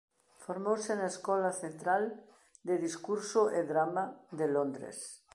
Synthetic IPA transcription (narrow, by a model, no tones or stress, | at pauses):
foɾmowsenaeskɔlaθent̪ɾal | d̪eðiskuɾsoʔeðɾamaðelõnd̪ɾḛs